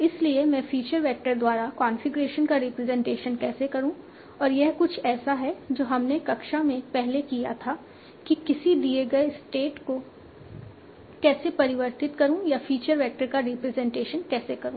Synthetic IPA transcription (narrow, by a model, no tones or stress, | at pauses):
ɪsliemɛ̃fiːt͡ʃəɾʋɛːk̚ʈəɾd̪waːɾakaːnfɪɡɾeːʃənkaɾɪpɾɛzɛ̃ɳʈeːʃənkɛːsekɐɾũ | ɔːɾjɛɦkʊt͡ʃʰɛːsaɦɛd͡ʒoːɦɐmnekɐkʃamẽpɛɦlekijat̪ʰaː | kikɪsid̪ieɡɐesʈeːʈko | kɛːsepɐɾɪʋəɾt̪ɪt̪kɐɾũjafiːt͡ʃəɾʋɛːk̚ʈəɾkaɾɪpɾɛzɛ̃ɳʈeːʃənkɛːsekɐɾũː